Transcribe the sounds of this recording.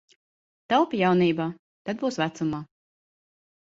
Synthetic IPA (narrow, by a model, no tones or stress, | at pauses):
t̪alpʲijawniːbaː | t̪ad̪̚buːsvæt̪sumaː